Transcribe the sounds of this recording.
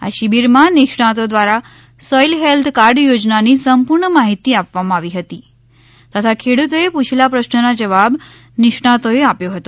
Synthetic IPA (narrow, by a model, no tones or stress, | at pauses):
a̰ʃibiɾmãnɪkʂɳat̪od̪ʋaɾa | sɔjlɦelt̪ʰkaɾɖjod͡ʒnanisəmpuɾɳəmaɦit̪iapʋamãaʋiɦət̪i | t̪ət̪ʰakʰeɽut̪oeput͡ʃʰilapɾəʃnənad͡ʒəʋab | nɪʂɳ̃at̪oeapjoɦət̪o